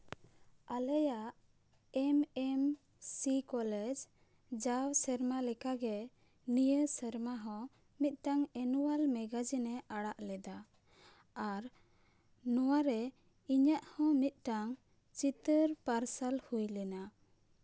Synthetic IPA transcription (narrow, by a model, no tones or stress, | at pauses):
alɛjaʔ | ɛmɛm | sikɔlɛd͡ʒ | d͡ʒawsəɾmalɛkaɡɛ | nijəsəɾmaɦɔ̃ | mit̪̚ˀʈaŋɛnuwalmɛɡad͡ʒinɛʔaɽaʔlɛd̪a | aɾ | nɔwaɾɛ | iɲaʔhɔ̃mit̪̚ˀʈaŋ | t͡ʃit̪əɾpaɾsalhujlɛna